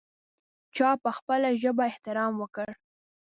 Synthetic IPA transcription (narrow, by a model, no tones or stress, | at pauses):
t͡ʃɑpəxpəlaʒəbaɪht̪ɪɾɑmwəkəɽ